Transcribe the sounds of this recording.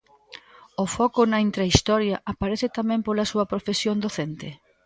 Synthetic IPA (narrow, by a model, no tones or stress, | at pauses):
ofɔkʊnɐint̪ɾaist̪ɔɾjɐʔapaɾeθɪt̪amɛ̃mpolɐsuɐpɾofesjond̪oθent̪e